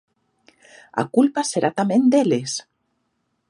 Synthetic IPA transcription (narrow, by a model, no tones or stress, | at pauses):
a̰kulpaseɾʔat̪amẽnd̪eles